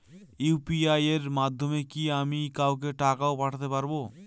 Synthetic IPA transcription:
jupiajeɾmad̪ʱːomekiamikawk̬eʈakaopaʈʰat̪epaɾbo

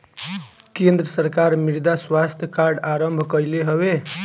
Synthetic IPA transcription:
kend̪ɾəsəɾkaɾmiɾd̪aswast̪ʰjəkaɾɖaɾəmbʱkəjleɦəbe

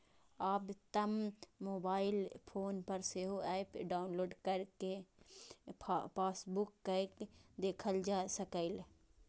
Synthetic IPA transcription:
aːbt̪ɐmmoːbaːɪlpʰoːnpɐɾseɦoɛːpɖaːʊnloːɖkɐɾke | paːsbʊkːəkd̪eːkʰəld͡ʒaːsɐkəɪl

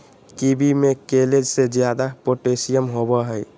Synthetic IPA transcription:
kibimekeled͡ʒsed͡ʒjad̪apoʈesijəmɦobɔɦəj

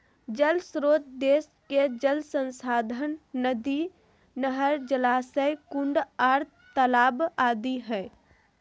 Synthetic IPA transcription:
d͡ʒəlsɾoːt̪d̪eːs | ked͡ʒəlsə̃nsaːd̪ʱənːəd̪i | nəɦəɾd͡ʒəlaːsəjkʊ̃ɳɖaːɾt̪ʰ | t̪əlaːbaːd̪iɦɛː

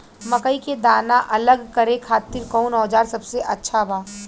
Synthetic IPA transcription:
mɐkəiked̪aːnaʔɐləɡkɐɾẽkʰaːt̪ɪɾkɔːnɔːd͡ʒaːɾsɐbseʔɐtːʃʰabaː

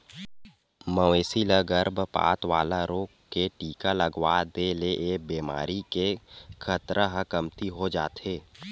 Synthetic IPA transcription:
məeːsiləɡəɾbpa̰ːt̪ʋa̰ːlaɾoːkkːeʈiːkaləɡwaːd̪eːleʔeːbeːma̰ːɾikekʰət̪ɾʔəɦəkəmt̪iɦod͡ʒa̰ːt̪ʰeː

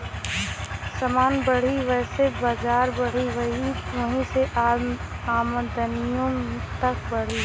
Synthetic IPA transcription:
sɐmaːnbəɽ̤iʋɛːsebaːd͡ʒaːɾbəɽ̤iʋɐɦiɐɦĩseʔaaːmə̃d̪ənijõt̪ɐk̚bɐɽ̤i

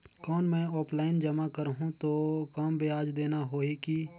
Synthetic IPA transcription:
kɔːnmɛ̃ːɔːpʰlaːɪnd͡ʒɐmakəɾɦũt̪okaːmbeaːd͡ʒd̪eːnaɦoːeki

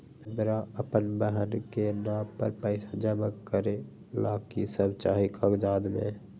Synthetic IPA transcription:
əbɾaəpənbəɦənkenãːpə̰ɾpəɪsad͡ʒəməkkəɾe | laːkisəbt͡ʃaːɦikʰaɡd͡ʒaːd̪mḛ̃

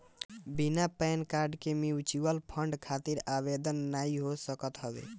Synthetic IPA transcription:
binapɛnkaɾɖkemiut͡ʃibəlpʰəɳɖkʰat̪iɾabed̪ənːaiɦosəkət̪ɦəbḛ

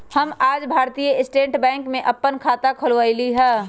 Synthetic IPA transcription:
hɐmaːd͡ʒbʱaːɾt̪ijəɪsʈẽːʈbɛ̃ːŋkmẽʔɐpːənkʰaːt̪akʰʊlʋaːiliɦɛː

